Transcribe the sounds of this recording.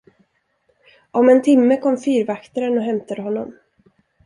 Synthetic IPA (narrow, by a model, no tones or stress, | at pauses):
ʔɔmɛnt̪ʰɪmːəkʰɔmːfyːɾvakt̪aɾənɔɦɛmt̪ad̪əɦɔnːɔm